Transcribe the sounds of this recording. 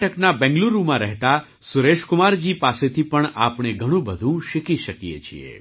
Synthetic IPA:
ʈəknabɛ̃ŋɡluɾumãɾɛɦt̪a | sʊɾeʃkʊmaɾd͡ʒipaset̪ʰipəɳa̰pɳ̃eɡʱəɽ̃ũbəd̪ʱũʃɪkiʃəkijḛt͡ʃʰḭḛ

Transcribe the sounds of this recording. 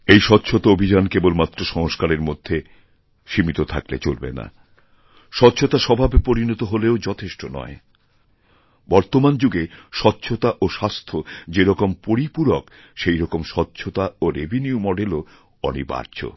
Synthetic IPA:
ejʃɔtːɕʰot̪aobʱid͡ʑankebolmat̪ːɾoʃɔŋoʃkaɾeɾmod̪ʱːe | ʃimit̪ot̪ʰa̰klḛt͡ɕolbḛna̰ | ʃɔtːɕʰot̪aʃɔbʱabpoɾinɔt̪oɦoleod͡ʑɔt̪ʰeʃʈonɔ̰e | bɔɾt̪omand͡ʑuɡeʃɔtːɕʰot̪aʔoʃast̪ʰod͡ʑeɾɔkompoɾipuɾok | ʃejɾɔkomʃɔtːɕʰot̪aoɾebʱiniumɔɖelo | ɔ̰nḭba̰ɾt͡ɕʰo̰

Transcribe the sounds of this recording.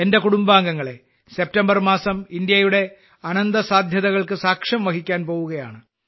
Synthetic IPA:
e̞nde̞kuɽumbaːŋɡɐŋːɐɭe̞ | se̞p̚tɐmbɐrmaːsɐmind̪jɐjuɽe̞ | ɐnɐnd̪ɐsaːd̪ʱjɐðɐɣɐɭkɨsaːkʂɐmʋɐkikʲːaːnpo̞ːʋuɣɐjaːɳɨ

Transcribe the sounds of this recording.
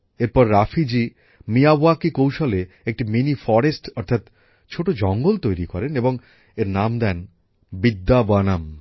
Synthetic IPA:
eɾpɔɾːafʰid͡ʑi | mijaboakikowʃole | ek̚ʈiminifɔɾesʈɔɾt̪ʰat̪ | t͡ɕʰoʈod͡ʑɔŋɡolt̪ojɾikɔɾeneboŋ | eɾnamd̪ɛn | bid̪ːabanam

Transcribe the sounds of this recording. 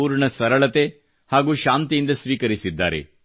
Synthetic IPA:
uːɾɳɐsɐɾɐɭɐt̪e | haːɡuːʃaːnt̪ijind̪ɐsʋiːkɐɾisid̪ːa̰ːɾḛ

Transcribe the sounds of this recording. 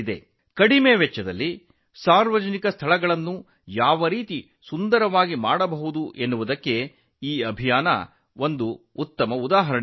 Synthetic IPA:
id̪ḛ | kɐɽimeːʋɛt͡ʃːɐd̪ɐlːi | saːɾʋɐd͡ʒɐnikɐst̪ʰɐɭɐɡɐɭɐnːu | jaːʋɐɾiːt̪i | sund̪ɐɾɐʋaːɡimaːɽɐbɐɦud̪uʔe̞nːuʋud̪ɐkːe̞ | iːɐbʱijaːnɐ̰ | o̞nd̪uut̪ːɐmɐud̪aːɦɐɾɐ

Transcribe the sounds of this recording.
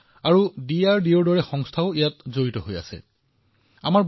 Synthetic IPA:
aɹudiaɹdiɔɹdɔɹɛxɔŋstʰaʊijatzoɹitɔɦoja̰sɛ̰ | a̰maɹb

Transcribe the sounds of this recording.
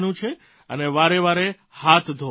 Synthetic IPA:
nũt͡ʃʰe | əneʋaɾeʋaɾe | hat̪ʰd̪ʱo

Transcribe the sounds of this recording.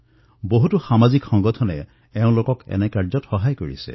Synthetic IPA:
boɦutuxamazikxɔŋɡɔtʰɔnɛ | ɛʊ̃lokɔkɛ̰nɛkaɹzɔtxɔɦajkoɹḭsɛ̰

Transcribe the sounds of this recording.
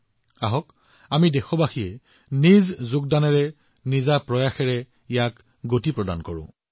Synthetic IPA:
aɦɔk | amidɛxɔbaxijɛ | nizzʊɡdanɛɹɛ | nizapɹɔjaxɛɹɛ | ijak | ɡotipɹɔda̰nkɔɹʊ̰̃

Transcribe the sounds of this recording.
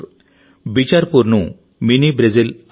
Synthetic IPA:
bit͡ɕaɾpuɾnu | minibɾed͡zil

